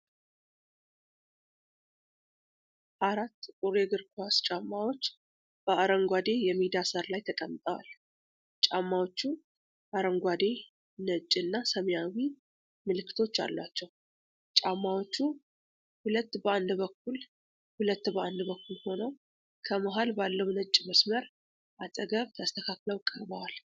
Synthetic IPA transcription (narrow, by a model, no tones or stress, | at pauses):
ʔaɾat̪ːkʼuɾeɡɨɾkʰast͡ʃʼamːawo̞t͡ʃː | b̥əʔaɾəŋɡʷad̪e̞jɛmid̪asəɾlajt̪ʰəkʼəmt̪ʼəwa̰l | t͡ʃʼamːawo̞t͡ʃːu | ʔaɾəŋɡʷad̪e̞ | nət͡ʃʼːɨnːasəmjawi | mɨlɨkːɨ̥t̪ʰo̞t͡ʃːa̰lːa̰t͡ʃːɛw | t͡ʃʼamːawo̞t͡ʃːu | hulət̪ːbəand̪bəkːul | hulət̪ːbəʔand̪bəkːulho̞nəw | kʰəməɦalbalːəwnət͡ʃʼːməsməɾ | ʔat̪ʼəɡəβt̪ʰəst̪ʰəkʰakləwkʼːəɾbəwal